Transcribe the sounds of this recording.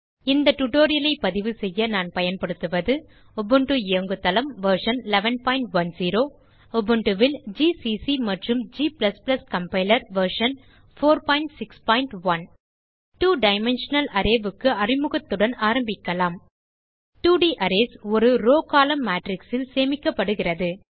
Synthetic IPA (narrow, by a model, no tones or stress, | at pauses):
ɪnd̪ɐʈʊʈoːɾɪjɐlɐɪpːɐðɪʋɯsɛjːɐnaːnpɐjɐnpɐɽɯt̪ːɯʋɐðɯ | ɔbɯɳʈɯeɐŋɡɯt̪ːɐlɐmʋɐɾʂɐnlɛʋɐnpaːɪɳʈʋɐnsiːɾoː | ɔbɯɳɖɯʋɪld͡ʒiːsisimɐʈrɯmd͡ʒiːplɐsplɐskɐmpɐɪlɐɾʋɐɾʂɐn | foːɾpaːɪɳʈsɪkspaːɪɳʈʋɐn | ʈuːɖɐɪmɛnʂɐnɐlʔɐɾeːʋɯkːɯɐrɪmɯɣɐt̪ːɯɽɐnaːɾɐmbɪkːɐlaːm | ʈuːɖiʔɐɾesɔɾɯɾoːkaːlɐmːaːʈɾɪksɪlseːmɪkːɐpːɐɽɯɣɪrɐðɯ